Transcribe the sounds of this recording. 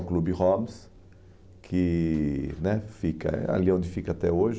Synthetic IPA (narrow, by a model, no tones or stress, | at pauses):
klubɪhoms | kʰɪ | nɛfikɐ̰a̰liõnd̪ɪfikɐat̪ɛoʒ